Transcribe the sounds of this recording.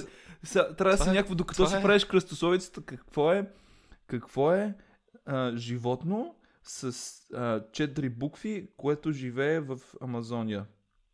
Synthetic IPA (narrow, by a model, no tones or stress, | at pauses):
sat̪ɾasinʲakvd̪okɐt̪ɔsipɾavɛʃkɾəst̪osɔvit̪sə̥t̪əkəkvɔɛ | kɐkv̥ɔɛ | əʒivɔt̪no | sɐsət͡ʃɛt̪ɾibukfikoɛt̪oʒivɛːvəfɐmɐzɔnʲijə